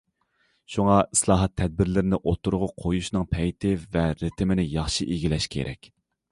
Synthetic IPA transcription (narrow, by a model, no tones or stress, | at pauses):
ʃuŋɑislˠɑːɦɑt̪ʰːɛd̪̚bɪɾlɪɾɪnɪʔot̪ʰuɾʊʁʊqʰojuʃnɨŋpʰɛjt̪ʰɪvɛɾɪt̪ʰɪmɪnɪjɑχʃiʔiɡʲilɛʃkʲʰḛɾʔɛ̰kʲ